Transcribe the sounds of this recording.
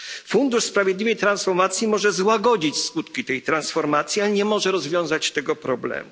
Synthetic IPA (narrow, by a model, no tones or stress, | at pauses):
fund̪uʂspɾavjɛd̪lʲivɛjt̪ɾansfɔɾmat̪sʲjimɔʐɛzwaɡɔd͡ʑit͡ɕskut̪kʲit̪ɛjt̪ɾansfɔɾmat̪sʲjialɲɛmɔʐɛɾɔzvʲjɔ̃w̃zat͡ɕt̪ɛɡɔpɾɔblɛ̰mu